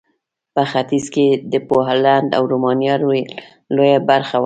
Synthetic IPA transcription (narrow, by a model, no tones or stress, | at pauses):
pəxat̪izked̪əpoɦland̪a̰wɾomɑnjɑɾe | lojabaɾxaw